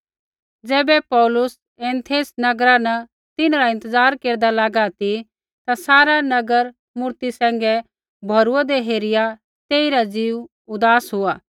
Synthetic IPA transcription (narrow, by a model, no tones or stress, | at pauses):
d͡zɛːbɛpɔːlʊs | ɛ̃ːnt̪ʰeːsnɐɡɾanə | t̪ɪnɾaɪ̃nt̪əzaːɾkeːɾd̪alaːɡat̪i | t̪asaːɾanɐɡəɾ | mʊɾt̪isɛ̃ːŋɡɛ | bʱɐɾuad̪eɦeːɾɪja | t̪eːiɾad͡ziːʋ | ʊd̪aːsɦʊaː